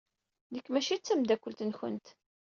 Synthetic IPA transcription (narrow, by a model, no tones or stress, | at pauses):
ðəkːmæʃit͡sːæmd̪ækʷːəlt̪nçə̰nt̪